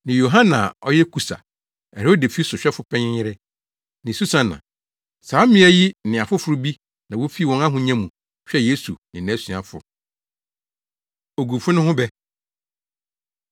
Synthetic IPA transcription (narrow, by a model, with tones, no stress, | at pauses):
nɪ̃˨jo˨ɦã˦nã˨ɔ̰˦jɛ˦kʰu˨sa̰˨ | ɛ˨ɾo˦de˨fi˦sʊ˨ɕᶣɛ˦fʊ˦pʰɛ̃˦ɲɪ̃˦ɪ˦ɾɛ˦ | nɪ̃˨su˦sã˦nã̰˨ | saː˨˦mɪ̃˦æ˦ji˦nɪ̃˨a˨fʊ˦fʊ˨ɾʊ˦bi˦ | nã˨wo˦fi˦wɔ̃˦na˦ɦʊ̃˨ɲã˦mũ˨ | ɕᶣɛ˦je˦su˨nɪ̃˨nã˨˦sĩ˨a˨fʊ̰˨ | o˨ɡu˨fʊ˦nʊ̃˦ɦʊ̃˦bɛ˦